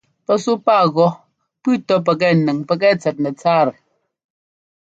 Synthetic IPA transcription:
pɛ˦su˦paː˦˨ɣɔ˦ | pʉ˦tɔ˦p̬ɛ˨k̬ɛ˦˨nɛ˨ŋpɛ˨k̬ɛ˦˨t͡sɛ˨t̚nɛ˨t͡saː˦˨ɾɛ˨

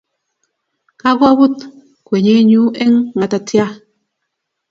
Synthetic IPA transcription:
ka˦ɡɔ˦bu˦t | kwʷe˨ɲe˨˦ɲu˦e˦ŋŋa˨ta˨tja˦

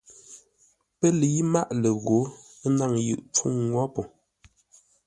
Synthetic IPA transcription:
pə˦le˨ji˦ma˦˨ʔlə˨ɣo˨˦ | na˦˨ŋjɯ̰˨ʔp͡fu˦ŋːwɔ˦pɔ˨

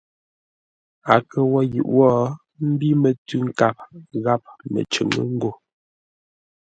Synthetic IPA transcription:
a˨kə˨wɔ˦jʉ̰˨ʔwɔ˦ | m̩˦bi˦mə˨tʉ˦ŋ̩˦ka˦˨p̚ɣa˦p̚mə̰˨t͡ʃə̰˨ŋə̰˦ŋ˦ɡo˦˨

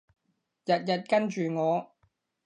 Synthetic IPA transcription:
jɐ˨t̚jɐ˨t̚kɐ˥nt͡ʃyː˨ŋɔː˨˧

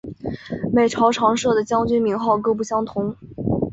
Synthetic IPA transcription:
me˨˩ɪʈ͡ʂʰɑ˧˥ʊʈ͡ʂʰɑ˧˥ŋʂɤ˥˩d̪ə˩t͡ɕjɑ˥ŋt͡ɕy˥nmi˧˥ŋxɑ˥˩ʊkɤ˥p̬u˥˩ɕjɑ˥ŋt̪ʰʊ˧˥ŋ

